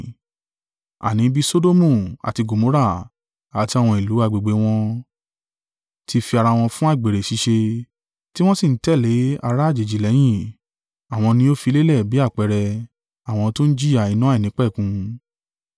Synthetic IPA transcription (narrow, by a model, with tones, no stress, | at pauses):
a̰˨nĩ˨˦bi˦so˦do˦mũ˦˨a̰˨ti˧ɡo˨mõ˨˦ɾa˦˨ | a˨ti˧a˦˨w̃ɔ̃˧i˨lu˨˦a˧˨ɡ͡be˨ɡ͡be˨˦w̃ɔ̃˧ | tʰi˧fi˧a˧ɾa˧w̃ɔ̃˧fũ˦a˦˨ɡ͡be˨ɾe˨ʃi˨˧ʃe˧ | ti˦w̃ɔ̃˦si˦˨n̩˦tɛ˦˨le˨˦a˧ɾa˦˨d͡ʒe˨d͡ʒi˨lɛ˨˦j̃ĩ˦˨ | a˨w̃ɔ̃˧nĩ˧o˦fi˧le˦lɛ˦˨bi˨˦a˦˨k͡pɛ˧ɾɛ˧ | a˨w̃ɔ̃˧to˦n̩˦d͡ʒi˦a˨i˨˧nũ˦i˨nĩ˨˦k͡pɛ˦˨kũ˧